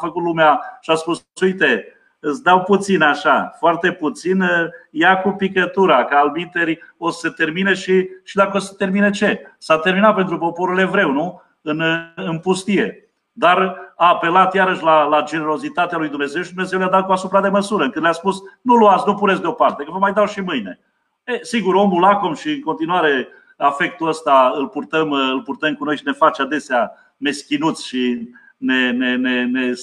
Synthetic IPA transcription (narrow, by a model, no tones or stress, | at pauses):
fəkut̪lumeaʃiaspussujt̪e̞ | ɨt̪sd̪awput̪sinaʃafoart̪e̞put̪sinjakupikət̪uɾakəalbit̪eɾo̞sə̥set̪e̞rmineʃiʃid̪akəose̥t̪e̞rminet͡ʃe̞sat̪erminat̪̚pent̪ɾupo̞po̞ɾule̞vɾe̞wnu | ɨnɨnpust̪ije̞ | d̪araːpe̞lat̪jaɾəʃʲlalad͡ʒe̞ne̞ɾo̞zit̪at̪ealujd̪umne̞ze̞wʃid̪umeze̞wlejad̪at̪̚kuasupɾad̪e̞məsuɾəɨŋkɨnlʲaspusnuluat̪snupuɾesd̪eo̞part̪e̞kəvəmajd̪awʃimɨjne̞ | esiɡuɾo̞mulakomʃiɨŋko̞nt̪inuaɾe̞ | afe̞k̚t̪uəst̪aɨlpurt̪əmɨlpurt̪əmkuno̞jʃine̞fat͡ʃad̪e̞sea | me̞skʲinut̪sʲʃi | ne̞nenene